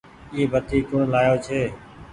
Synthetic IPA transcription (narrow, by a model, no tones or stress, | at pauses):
iːbət̪ʰiːkʊɳlaːjoːt͡ʃʰeː